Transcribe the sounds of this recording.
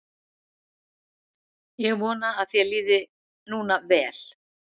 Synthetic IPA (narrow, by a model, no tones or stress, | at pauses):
jɛɣmɔːnaːðθjɛliːðɪ | nuːnavɛːl̥